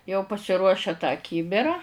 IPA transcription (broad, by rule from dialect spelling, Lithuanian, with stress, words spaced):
jɛʊ pɐsʲɪˈruɔʃʲɛ tɑː ˈkʲiːbʲɪrɐ